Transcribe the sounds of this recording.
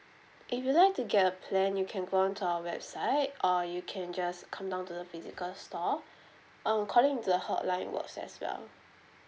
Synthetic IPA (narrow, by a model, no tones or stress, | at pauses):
ʔifjulaɪk̚tuɡɛtəpʰlɛ̃njukʰɛ̃nɡoɔ̃ntʰuaəwɛbsaɪt̚ʔɔjukʰɛ̃nd͡ʒaskʰãmdãʊ̃ntudəfizikəlstɔ | ɔ̃nkʰɔlĩŋtudəhɔʔlãɪ̃nwə̰ksɛ̰swɛ̰l